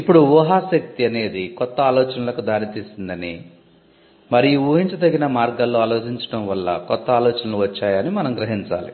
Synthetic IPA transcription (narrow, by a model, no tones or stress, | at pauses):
ipːuɽuʋuːɦaːsɐk̚t̪iɐne̞ːd̪ikɔt̪ːɐaːlɔːt͡ʃɐnɐlɐkud̪aːɾit̪iːsind̪ɐni | mɐɾiuːɦiɲt͡ʃɐd̪ɐɡinɐmaːɾɡalːoːaːloːt͡ʃiɲt͡ʃɐ̥ɽɐmʋɐlːɐ̰kɔt̪ːɐaːlɔːt͡ʃɐnɐluʋɐt͡ʃːaːjɐnimɐnɐmɡɾɐɦiɲt͡ʃa̰ːlḭ